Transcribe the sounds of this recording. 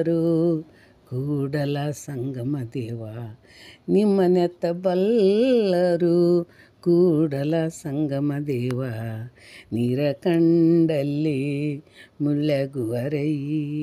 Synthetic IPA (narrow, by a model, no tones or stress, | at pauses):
ɾu | ɡuːɽɐlasɐŋɡɐmɐd̪ɛːʋa | nimːɐnɛt̪ːɐbɐlː | ɐɾu | ɡuːɽɐlɐsɐŋɡɐmɐd̪ɛːʋa | niːɾɐkɐɳɖɐlːi | muɭːɐɡuʋɐɾɐj